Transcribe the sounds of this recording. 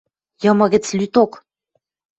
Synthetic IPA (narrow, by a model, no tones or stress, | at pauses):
jɤ̆mɤ̆ɣɘ̆t͡slyt̪ok